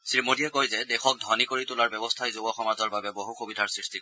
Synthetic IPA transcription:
sɹimodiɛkojzɛdɛxɔk̚dʱɔnikoɹitʊlaɹbɛbɔstʰajzobɔxɔmazɔɹbabɛboɦuxobidʱaɹsɹistik

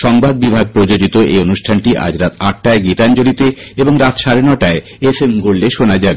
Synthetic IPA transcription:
ʃɔŋbʱad̪̚bibʱaɡ̚pɾod͡ʑod͡ʑit̪oʔḛonuʃʈʰanʈiʔa̰d͡ʑɾat̪ʰaʈ̚ːaeɡit̪and͡ʑolit̪eeboŋɾat̪ʃaɾenɔʈae | esemɡolleʃonad͡ʑabe

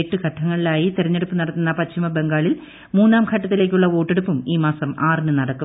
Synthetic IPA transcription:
eʈːukʰɐʈʰːɐŋːɐɭilaːjit̪iɾɐɲːeɽupːɨnɐɽɐt̪ːunːɐpɐtɕimɐbe̞ŋɡaːɭil | muːnːaːmkʰɐʈːɐt̪ːile̞ːk̬ʲːuɭːɐo̞ːʈːeɽupːumiːmaːsɐmaːrnɨnɐɽɐkːu

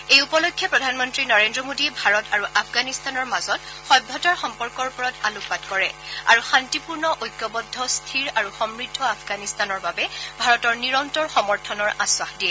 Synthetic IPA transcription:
ejupɔlokʰːjɔpɹɔdʱanmɔntɹinɔɹendɹɔmodiɛbʱaɹɔtaɹuʔapʰɡanistanɔɹmazɔt | xɔjbʱːɔtɔɹxɔmpɔɹkɔɹpɔɹɔtaluk̚patkɔɹɛa̰ɹuxantipuɹnɔʔojkːɔbɔdʱːɔstʰiɹaɹuxɔmɹidʱːɔapʰɡanistanɔɹbabɛbʱaɹɔtɔɹniɹɔntɔɹxɔmɔɹtʰɔnɔɹaswaxdiɛ

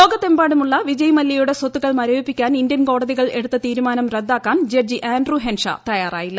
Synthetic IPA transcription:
lo̞ːɡɐt̪ːe̞mbaːɽumuɭːɐʋid͡ʑɐjɐmɐlːɐjuɽe̞sot̪ːuɣɐɭmɐɾoːipːikʲːaːnind̪jɐnko̞ːɽɐðiɣɐɭe̞ɽut̪ːɐt̪iːɾumaːnɐmred̪ːaːkːaːnd͡ʑed͡ʑiʔaːnɖruɦenʂɐ̰t̪ɐjaːra̰ːjilːɐ

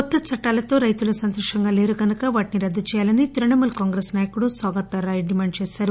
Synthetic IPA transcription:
ɔt̪ːɐt͡ʃʰɐʈːaːlɐt̪o̞ːɾɐjt̪ulɐsɐnt̪oʂɐŋɡaːle̞ːɾuɡɐnɐkɐʋaːʈiniɾɐd̪ʱːɐt͡ʃɛːjaːlɐnit̪iɾɐɳɐmulkaːŋɡɾeːsnaːjɐkuɽusaːɡɐt̪ːɐɾaːjɖimaːɳɖ̚t͡ʃeːsaːɾu

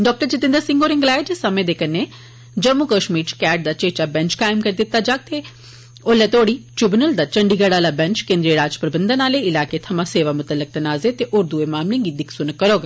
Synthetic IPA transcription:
ɖɔːk̚ʈəɾt͡ʃɪt̪ɪ̃nd̪əɾsɪ̃ŋɡoːɾɪ̃ŋɡlaːed͡ʒesəmẽːd̪eːkəne | d͡ʒəmːukəʃmiːʈkɛːʈ̚d̪aːt͡ʃeːt͡ʃaːbɛ̃nt͡ʃkaːɪmkəɾd̪ɪt̪ːaːd͡ʒaːk̚t̪e | oːlɛːt̪oːɽiːʈɾɪbnəld̪aːt͡ʃəɳɖiːɡəɽaːlaːbɛ̃nt͡ʃkẽːnd̪ɾiəɾaːd͡ʒpɾəbənd̪ənaːleɪlaːket̪ʰɐmãːseːʋaːmʊt̪əlːək̚t̪ɐnaːzet̪eʔʊɾd̪uemaːmlɪ̃ŋɡiːd̪ɪksʊnkːəɾoːɡa

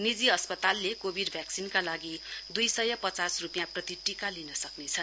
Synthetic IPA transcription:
nid͡ziʌspʌt̪alːekobʱiɖbʱjaksinkalaɡid̪ujsʌjʌpʌt͡sasrupijãprʌt̪iʈikalinʌsʌknet͡sʰʌn

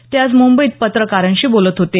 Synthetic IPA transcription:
t̪jat͡smummbəiːt̪̚pət̪ɾəkaɾənɕiːbolət̪ɦot̪e

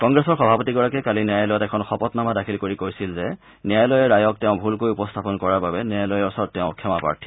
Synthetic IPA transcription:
kɔŋɡɹɛsɔɹxɔbʱapɔtiɡɔɹakɛkaliniajlɔjɔtɛkʰɔnxɔpɔtnamadakʰilkoɹikojsilzɛ | nijajlɔjɛɹajɔk̚tɛʊ̃bʱulkojupɔstʰapɔnkɔɹaɹbabɛnjajlɔjɛɔsɔɹd̚tɛʊ̃kʰɛmapa̰ɹtʰi̥

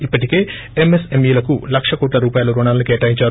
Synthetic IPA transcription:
ipːɐʈike̞ː | emesemjuːlɐkulɐkʂɐkoːʈlɐɾuːpaːjɐlɐɾoɳaːlɐnikeːʈaːjiɲt͡ʃaːɾ

